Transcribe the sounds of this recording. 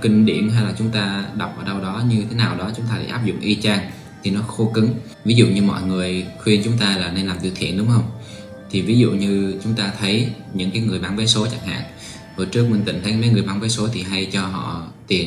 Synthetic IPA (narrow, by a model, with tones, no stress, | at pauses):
kï˧ŋ̟ɗḭ˧˩əmɦa˧jlaː˨˩t͡ɕʊ˨˦ŋ͡mt̪aː˧ɗa˨˩wk͡p̚ʔəː˧˩ɗə˧wɗɔ˨˦ɲɨ˧t̪ʰe˨˦naː˨˩wɗɔ˨˦t͡ɕʊ˨˦ŋ͡mt̪aː˧ɗa̰ː˧˩ʔaː˦˥p̚zʊ̰˧˨ŋ͡mʔi˧t͡ɕaː˧ŋ | t̪ʰi˨˩nɔ˨˦xo˧˦kɨ˨˦ŋ | vi˨˦zṵ˧˨ɲɨ˧mɔ̰˧˨jŋɨ˨˩əjxwi˧ənt͡ɕʊ˨˦ŋ͡mt̪aː˧laː˨˩ne˧nlaː˨˩mt̪ɨ˧˩k̪ʰi˧˨ənɗʊ˨˦ŋ͡mxə˧wŋ͡m | t̪ʰi˨˩vi˨˦zṵ˧˨ɲɨ˧t͡ɕʊ˨˦ŋ͡mt̪aː˧t̪ʰə˨˦jɲɨ̰˧˥ŋkaː˨˦jŋɨ˨˩əjɓaː˧˩nve˨˦so˨˦t͡ɕa˧˩ŋha̰ː˧˨ŋ | ho˨˩jt͡ɕɨ˦˥ək̚mï˨˩ŋ̟t̪ï˧˩ŋt̪ʰə˨˦maː˨˦jŋɨ˨˩əjɓaː˧nve˨˦jso˨˦t̪ʰi˨˩ɦa˧jt͡ɕɔ˧ɦɔ̰˧˨t̪i˨˩ən